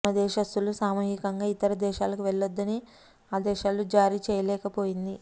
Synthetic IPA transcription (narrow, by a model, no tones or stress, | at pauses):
ɐd̪ɛːʃɐst̪ːulusaːmuːɦikɐŋɡaːit̪ɐɾɐd̪ɛːʃaːlɐkuʋɛɭːɐd̪ːɐni | aːd̪ɛːʃaːlud͡ʒaːɾiːt͡ʃɛːjɐlɛːkɐpo̞ːjind̪i